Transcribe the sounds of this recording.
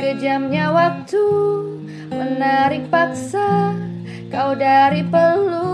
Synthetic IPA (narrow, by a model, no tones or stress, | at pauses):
kəd͡ʒamɲawak̚t̪u | mənaɾik̚pak̚sa | kawdaɾipərlu